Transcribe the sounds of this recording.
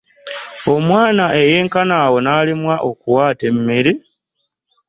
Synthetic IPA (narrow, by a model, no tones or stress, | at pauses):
o̞mwaːnaʔe̞je̞ːŋkanaːwo̞naːlimwaʔo̞kuwaːte̞mːeɾi